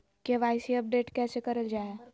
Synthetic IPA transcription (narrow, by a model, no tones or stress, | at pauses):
keʋajsiəp̚ɖeʈkɛsekəɾəld͡ʒae